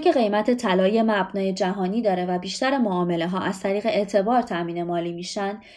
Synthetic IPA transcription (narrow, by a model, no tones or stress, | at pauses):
kʰe̞ɣe̞jmæt̪ʰe̞t̪ʰælɒːje̞mæbnɒːje̞d͡ʒæɦɒːniːd̪ɒːɾe̞væbiːʃt̪æɾemoɒːme̞le̞ɦɒːʔæz̥t̪ʰæɾiːɣe̞eʔt̪ʰe̞bɒːɾt̪ʰæmiːne̞mɒːliːmiːʃænd̪